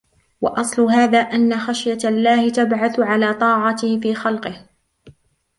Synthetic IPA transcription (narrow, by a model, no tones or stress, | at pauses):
wɑ̰ʔɑsˤlʊhaːðaːʔanːaxaʃjalːaːhɪt̪abʕaθʊʕalaːt̪ˤɑːʕɑt̪ɪhfiːxɑlqɨh